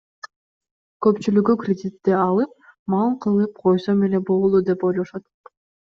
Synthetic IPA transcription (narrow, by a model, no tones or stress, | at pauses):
kø̞pt͡ʃylykykrʲɪdʲit̪ːeɑlˠɯp̚mɑlˠqʰɯlˠɯp̚qʰo̞jsomele̞bolˠulˠud̪e̞po̞jlˠoʃɑt̪̚